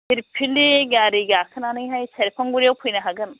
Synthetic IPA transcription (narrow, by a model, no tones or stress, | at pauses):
hiɾpʰilːiɡaɾiɡakʰɯnanɯjɦajseɾpʰaŋɡuɾijawpʰujnaɦaɡɯn